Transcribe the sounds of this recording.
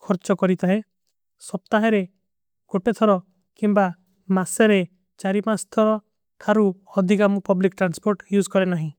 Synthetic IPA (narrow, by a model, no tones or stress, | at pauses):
kʰɔɾt͡ʃɔkɔɾit̪aẽ | sɔp̚t̪aɦeɾe | ɡ̥oʈet̪ʰɔɾɔ | kimba | maseɾe | t͡ʃaɾimast̪ʰɔɾɔ | kʰaɾuɔd̪ʱikamɔpɔblikʈɾanspoɾʈjud͡ʒkɔɾenaɦĩ